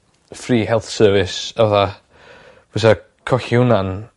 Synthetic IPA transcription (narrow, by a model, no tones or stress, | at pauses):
friːhɛlˠθsɜːvɪsaaðḁ | əsa | kʰɔɬɪwnan